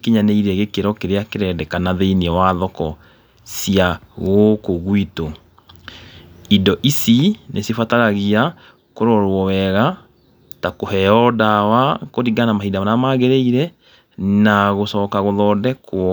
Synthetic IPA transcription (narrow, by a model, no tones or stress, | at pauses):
kiɲaneiɾɛɣekeɾɔkeɾeakeɾɛdɛkanaðeiniɛwaðɔkɔ | siaɣokoɣwito | idɔʔisinʔesefataɾaɣia | koɾɔɾwɔwɛɣa | takoɦɛɔdawakoɾiɡanamaɦidamanamaɣɛɾeiɾɛ | naɣosɔkaɣoðɔdɛkwɔ